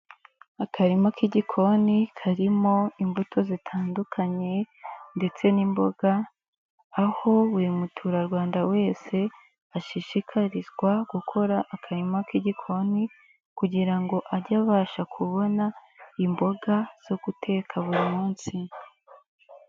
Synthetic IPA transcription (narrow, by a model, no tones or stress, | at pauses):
akʰaɾimakiɟikʰo̞nikʰaɾimo̞imbutʰo̞zitʰaːndukʰaɲe̞ | nde̞t͡se̞nimbo̞ɡ̥aː | ho̞βuɾimutʰuɾaɾɡwaːndawe̞ːse̞ | aʃiʃikʰaɾizɡwaɡ̥ukʰo̞ɾaʔːkʰaɾimakiɟikʰo̞ni | kuɟiɾaŋɡo̞ʔaɾɟaβaːʃakʰuβo̞naimbo̞ɡaz̥o̞ɡ̥utʰe̞ːkʰaβuɾimuːnsi